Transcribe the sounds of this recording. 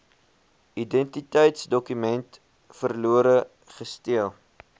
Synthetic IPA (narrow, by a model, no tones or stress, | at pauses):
idɛntitəjtsdɔkymɛnt | fərluəɾə | χəstiəlˠ